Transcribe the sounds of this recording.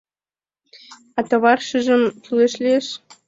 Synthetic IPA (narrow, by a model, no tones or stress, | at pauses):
ɑt̪oβɑrʃə̆ʒɤ̆mtyleʃlʲeʃ